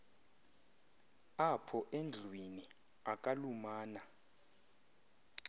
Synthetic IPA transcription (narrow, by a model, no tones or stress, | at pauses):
apʰɔʔend͡ɮʱwini | akʼalumaːna